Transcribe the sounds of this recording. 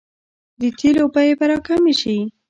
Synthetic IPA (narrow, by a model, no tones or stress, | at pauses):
d̪ət̪ʰilopajepaɾɑkameʃi